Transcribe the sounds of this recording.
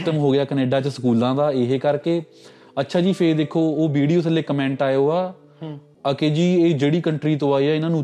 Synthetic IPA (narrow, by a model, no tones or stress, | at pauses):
t̪əmɦoːɡɪjaːkəneːɖaːt͡ʃəsəkuːlãːd̪aːɪɦekəɾkeː | ətːʃʰaːd͡ʒiːpʰeːɾd̪eːkʰːoːoːʋiːɽijoːsəlːeːkəmɛ̃ːɳʈaːjoːaː | əkeːd͡ʒiːeːd͡ʒeːɽiːkəɳʈɾiːt̪õːaːiːaːɪnãːnũː